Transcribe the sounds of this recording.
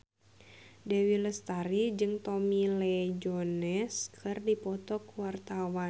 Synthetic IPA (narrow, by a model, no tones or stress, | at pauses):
dɛwiləst̪aɾid͡ʒɨŋt̪ɔmilɛd͡ʒɔnɛskʰɨrdipɔt̪ɔkwart̪awa